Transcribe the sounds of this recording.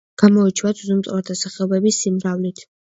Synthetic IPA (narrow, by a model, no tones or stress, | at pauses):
ɡ̥amɔit͡ʃʰwat̪ʰzumt̪ʼaɾd̪ʰasaχɛɔbɛbisːimɾavlit̪ʰ